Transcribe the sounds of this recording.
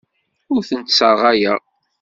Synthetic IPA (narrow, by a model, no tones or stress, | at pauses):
ʊɾθənt̪səɾʁæjæ